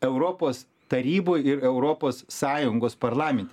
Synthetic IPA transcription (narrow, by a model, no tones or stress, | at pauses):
ɛʊɾoːpoːs | t̪ɐɾʲiːboːjɪɾɛʊɾoːpoːsːɑːjʊŋɡoːspɐɾlˠɑːmʲɛnʲt̪ʲ